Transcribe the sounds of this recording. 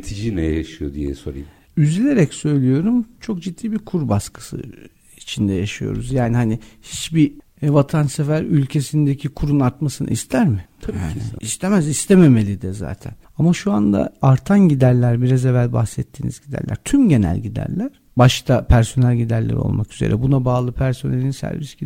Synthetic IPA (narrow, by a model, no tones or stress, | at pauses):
t̪ʰid͡ʒinɛjjaʃɯjo̞d̪ijɛ̰so̞ɾa̰jim | yzilʲe̞ɾɛcsø̞jlʲijo̞ɾumt͡ʃʰo̞k̚d͡ʒid̪ːiːbiɾkʰuɾbaskʰɯ̥sɯ̰ | it͡ʃʰind̪ɛjaʃijo̞̰ɾṵzjaːnihanihit͡ʃbi | vat̪ʰansefæɾylʲcʰe̞sind̪ecʰikʰuɾunaɾt̪masɯnɯ̰ʔist̪ʰæɾmɪja̰ːnɪ̰ist̪ʰemæzist̪ʰeme̞me̞lʲid̪ɛza̰ːt̪ʰæ̰n | amaʃuand̪a̰aɾt̪ʰanɟid̪æɾlʲæɾbiɾazevælʲba̰hxsɛt̪ʰːiːnḭzɟid̪æ̰ɾlʔæ̰ɾ̥t̪ʰymɟe̞næ̰lʲɟid̪æ̰ɾlʲæɾ̥ | baʃt̪ʰapʰæɾso̞nælʲɟid̪æɾlʲɛ̰ɾo̰lˠmakyze̞̰ɾʔɛ̰bunabaːlˠɯpʰæɾso̞nelʲinsæ̰ɾvisɟi